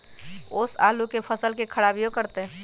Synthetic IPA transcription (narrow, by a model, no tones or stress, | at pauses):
ʊsaːlukepʰəsəlkekʰəɽaːbijokəɾt̪e